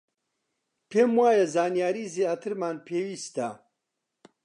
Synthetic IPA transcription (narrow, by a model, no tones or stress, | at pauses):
pʰeːmwaːjɛzaːnjaːɾiːzjaːt̪ʰɨɾmaːnpʰeːwiːst̪a